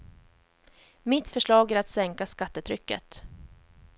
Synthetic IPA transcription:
mɪt̪fœʂɭɑːɡæɾat̪sɛŋkaskat̪ːət̪ʰɾʏkːə̰t̪

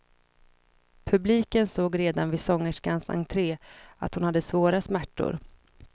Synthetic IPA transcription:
pʰɵbliːkənsoːɡɾeːd̪anvɪsɔŋːəʂkansa̰ŋt̪ʰɾeːa̰t̪hʊnhad̪ːəsvoːɾasmæʈːʊ̰ɾ

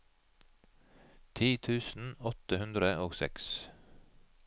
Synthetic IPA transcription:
t̪ʰiːt̪ʰʉːsn̩ɔt̪əhʉnd̪ɾəoːɡsɛ̰ks

